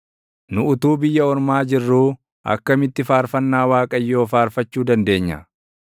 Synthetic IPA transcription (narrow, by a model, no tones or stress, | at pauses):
nʊʊt̪uːbɪjːɐɔɾmaːd͡ʒɪrːuː | ʔɐ̰kːɐmɪt̪ːɪfaːɾfɐnːaːwaːkʼɐjːo̞ːfaːɾfɐt͡ʃːuːd̪ɐnd̪e̞ːɲːɐ̰